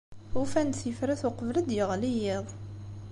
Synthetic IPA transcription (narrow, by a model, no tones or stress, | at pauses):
hufænt̪θjəfɾæθʊqəvləd̪jəʁlijɪðˤ